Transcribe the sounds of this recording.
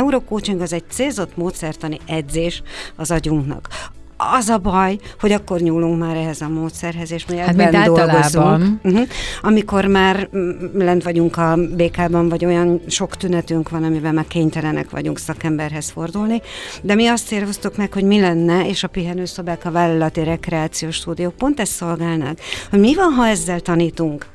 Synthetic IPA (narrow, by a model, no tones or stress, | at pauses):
ɛuɾoːkoːt͡ʃiŋkɒzɛɟ̚t̪seːlzo̞t̪moːt̪sɛrt̪ɒniɛd̪zeːʃɒzɒɟuŋknɒ̰k | ɒzɒbɒjho̞ɟɒkːo̞rɲuːlːuŋkmaːɾɛɦɛzɒmoːt̪sɛrɦɛzeːʃmiɛbːɛnd̪o̞lɡo̞zuŋkm̩ɦm̩ɒmiko̞rmaːrlɛnt̪ʋɒɟuŋkɒbeːkaːbɒɱvɒɟo̞jɒnʃo̞kt̪ynɛt̪yŋkʋɒnɒmivɛlmaːrkeːɲt̪ɛlɛnɛ̰kʋɒ̰ɟuŋksɒkɛmbɛrɦɛsfo̞rd̪ulnid̪ɛmiɒst̪eːrɦo̞st̪ukmɛkho̞ɟmilɛnːɛeːʃɒpyɦɛnøːso̞bɛkɒvaːlːɒlɒt̪iɾɛkrɛaːt̪sijoːʃt̪uːd̪ijoːk̚po̞nt̪ɛst̪ːo̞lɡaːlnɒkho̞ɟmivɒnɦɒɛzːɛlt̪ɒniːt̪uŋk